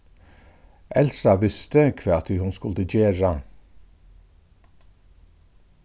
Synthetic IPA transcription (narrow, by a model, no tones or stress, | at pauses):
ʔɛlsɑʋɪst̪əkʰʋeːɑt̪ɪhʉnskʉld̪əd͡ʒeːɹɑ